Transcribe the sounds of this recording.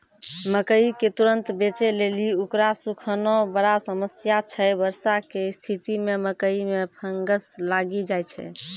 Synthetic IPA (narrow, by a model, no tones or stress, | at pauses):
məkəiket̪uɾənt̪bet͡ʃeleliukɾasukʰənɔbəɾasəməsjat͡ʃʰɛbəɾsakest̪ʰit̪imeməkəimepʰəŋɡəslaɡid͡ʒajt͡ʃʰɛ̰